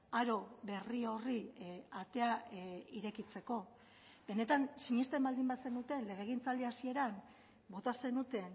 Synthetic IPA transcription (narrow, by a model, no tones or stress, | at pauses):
aɾo̞βe̞rio̞riat̪e̞aiɾe̞kit͡se̞ko̞ | be̞ne̞t̪ansiɲist̪e̞mbald̪imbase̞nut̪e̞nle̞ɣ̞e̞ɣ̞int͡sald̪iasie̞ɾam | bo̞t̪ase̞nut̪e̞n